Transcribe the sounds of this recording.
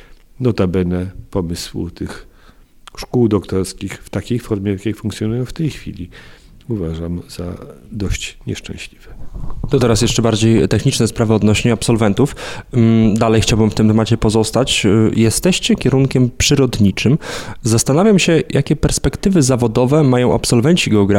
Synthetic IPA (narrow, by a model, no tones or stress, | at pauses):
nɔt̪abɛnɛpɔmɘswṵt̪ʰɘx | ʂkuwd̪ɔkt̪ɔɾskʲixft̪akʲejfɔɾmʲjɛjakʲakfuŋkt̪sʲjɔnujɔ̃w̃ft̪ɛjxfʲḭlʲi | uvaʐamz̥ad̪ɔɕt͡ɕɲɛ̰ʂt͡ʂɛ̰̃ɕlʲivɛt̪ɔt̪ɛɾasjɛʂt͡ʂɛbaɾd͡ʑejt̪ɛxɲit͡ʂnɛspɾavɘɔd̪nɔɕɲɛapsɔlvɛnt̪uf | d̪alɛjxt͡ɕawbɘmft̪ɘmt̪ɛmat͡ɕɛpɔzɔst̪at͡ɕjɛst̪ɛɕt͡ɕɛkʲɛɾuŋkʲɛmpʂɘɾɔd̪ɲit͡ʂɘmzast̪anavʲjamɕɛjʔakʲɛpɛɾspɛkt̪ɘvɘzavɔd̪ɔvɛmajɔ̃w̃ʔa̰psɔlvɛɲt͡ɕiɡɛɔɡɾa